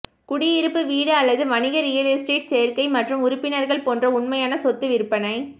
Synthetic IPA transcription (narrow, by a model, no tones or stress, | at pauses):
kʊɽɪjɪɾɯpːɯʋiːɽɯɐlːɐðɯʋɐnɪɣɐɾɪjɐlesʈeːʈsejɐɾkɐɪmɐʈrɯmʊɾʊpːɪnɐɾɣɐɭpoːndrɐʊɳmɐjaːnɐsɔt̪ːɯʋɪɾɯpːɐnɐɪ